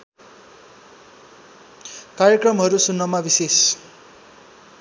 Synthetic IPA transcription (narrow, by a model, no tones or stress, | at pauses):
kaɾjʌkrʌmɦʌɾusunːʌmabises